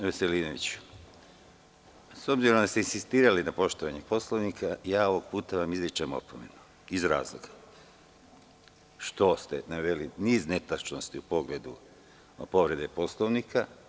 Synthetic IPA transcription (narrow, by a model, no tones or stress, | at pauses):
ʋeseliːnoʋḭt͡ɕ | so̞bziɾo̞md̪ast̪einsist̪iːɾalinapo̞ʃt̪oʋaɲepo̞slˠoʋnikʰajaːo̞ʋo̞ɡ̥puːt̪aʋamizlit͡ʃemo̰pʰomenu̥ | izɾaːzlˠoɡ̥ḁ | ʃt̪o̞st̪ḛnaʋe̞liniːzne̞t̪at͡ʃnost̪iupo̞ɡle̞d̪u | po̞ʋɾe̞d̪epo̞sloʋnikʰa